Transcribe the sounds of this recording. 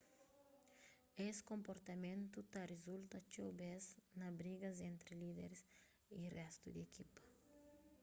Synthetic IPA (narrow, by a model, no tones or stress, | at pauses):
eskõmpoɾt̪ɐmẽnt̪ut̪arezult̪ɐt͡ʃobeznɐbɾiɡɐzẽnt̪ɾɪlid̪eɾs | irɛst̪ud̪ekʰipɐ̥